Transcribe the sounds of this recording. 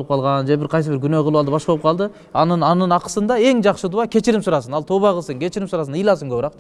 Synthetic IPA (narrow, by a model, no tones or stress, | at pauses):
lˠəp̚qʰɑlˠʁɑnʒebɪɾqʰɑjsəbɪɾɡʲʏneqʰəlˠəwɑlˠd̪əbɑʃboəp̚qʰɑlˠd̪ə | ɑnənɑnənɑqə̥sənd̪ɑe̞ŋʒɑqʃəd̪uɑkʲʰe̞t͡ʃɪɾɪmsʊɾɑsənɑlˠt̪ʰoβɑqəsəŋkʲʰe̞t͡ʃɪɾɪmsʊɾɑsənəjlˠɑsəŋkʰʲɵbɪɾɑq̪